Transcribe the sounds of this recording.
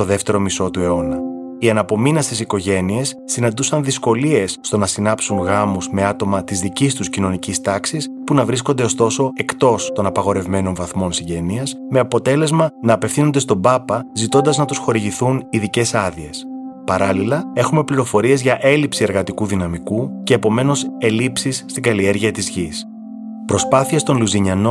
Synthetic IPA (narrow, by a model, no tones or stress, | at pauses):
t̪o̞ðe̞ft̪e̞ɾo̞miso̞t̪ue̞o̞nɐ | iɐnɐpo̞minɐst̪isiko̞ʝe̞nie̞sːinɐnd̪usɐnðisko̞lie̞sːt̪o̞nɐsinɐpsuŋɣɐmuzme̞ɐt̪o̞mɐt̪izðicist̪uscino̞nicist̪ɐksispunɐvɾisko̞nd̪e̞o̞st̪o̞so̞e̞kt̪o̞st̪o̞nɐpɐɣo̞ɾe̞vme̞no̞nvɐθmo̞nsiɲɟe̞niɐsme̞ɐpo̞t̪e̞le̞zmɐnɐːpe̞fθinond̪e̞st̪o̞bɐpɐzit̪o̞nd̪ɐznɐt̪usxo̞ɾiʝiθuniðice̞sɐðie̞spɐɾɐlilɐe̞xume̞pliɾo̞fo̞ɾie̞zʝɐʔe̞lipsie̞ɾɣɐt̪ikuðinɐmikuce̞ːpo̞me̞no̞se̞lipsisːt̪iŋɡɐlie̞ɾʝiɐt̪izʝis | pɾo̞spɐθiest̪o̞nluziɲɐno